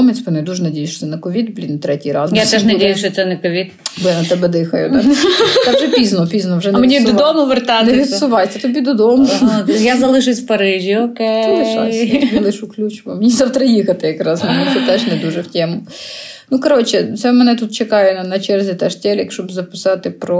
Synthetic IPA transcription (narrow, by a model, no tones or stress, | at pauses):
ɔmɛt͡sʲpɔnɛd̪uʒɛnɐdʲejɪʃt͡ʃɔ̥ɛnɛkɔʋʲid̪blʲint̪ɾɛtʲijɾɑznjɛatt̪ɛʃnɐdʲejʊʃt͡ʃɔt̪sɛnɛkɔʋʲid̪blʲˠinɐt̪ɛbɛd̪ɪxɐjʊd̪ɛɛʒɛppʲiznɔpʲiznɔwʒɛnmenʲid̪ɔd̪ɔmʊʋert̪ɑtneʋʲid̪ssʊʋɑjsʲɐt̪ɔbʲid̪ɔd̪ɔmʊjazɐlˠɪʃɪsʲwpɐɾɪʒʲiɔket̪ɛɛʃɑ̰snɐlˠɪʃuklʲut͡ʃʊʋɔmnʲizɑwt̪ɾɐjixɐt̪ɪjɐkɾɑznɐmuɛt̪ɛʒnɛd̪uʒɛwtʲɛmʊ | nukɐɾot͡ʃɛt̪sɛmɛnɛt̪ut̪t͡ʃekɑjɛnɐnɐt͡ʃɛrzʲit̪ɛʃtʲɛlʲikʃɔbzɐpɪ̥sɑt̪ɪpɾɔ